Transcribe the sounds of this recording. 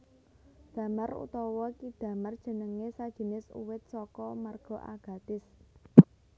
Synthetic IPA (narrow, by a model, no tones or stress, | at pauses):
d̪̥ä̤marṵt̪ɔwɔkid̪̥ä̤mard̥ʒ̥ə̤nəŋesad̥ʒ̥i̤nɪsṵwɪt̪̚sɔkɔmarɡ̥ɔ̤ʔa̰ɡ̥a̤d̪̥ɪs